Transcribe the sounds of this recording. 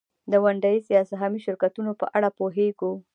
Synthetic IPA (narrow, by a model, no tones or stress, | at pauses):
d̪əwaɳɖajisijɑsaɦamiʃɪɾkat̪unopə̰ʔaɽapoɦeɡo